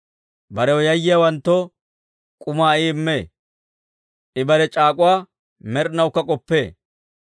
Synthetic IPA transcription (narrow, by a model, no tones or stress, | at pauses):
bɐɾɛwɔjɐjːɪjɐwɐnt̪ːɔ | kʼʊmaːiːɪmːeː | ʔɪbɐɾɛt͡ʃʼaːkʼʊwaː | mɛɾnɐwkːɐkʼɔpːe̞ː